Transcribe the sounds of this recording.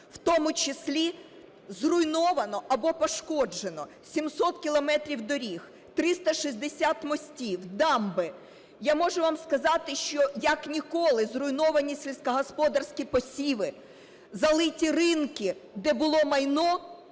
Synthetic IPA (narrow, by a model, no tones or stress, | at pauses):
wt̪ɔmʊt͡ʃɪsʲlʲi | zrʊjnɔʋɐnɔɐbɔpɔʃkɔd͡ʒenɔ | sʲimsɔt̪̚kʲilˠɔmɛt̪ɾʲiwd̪ɔɾʲix | t̪ɾɪst̪ɐʃizʲd̪esʲat̪mɔsʲtʲiwd̪ɑmbɪ | jamɔʒʊʋamskɐzɑt̪ɪʃt͡ʃɔjɐknʲikɔlˠɪzrʊjnɔʋɐnʲisʲilʲsʲkɐɦɔspɔd̪ɐrsʲkʲipɔsʲiʋɪ | zɐlˠɪtʲirɪnkɪd̪ɛbʊlˠɔmɐjnɔ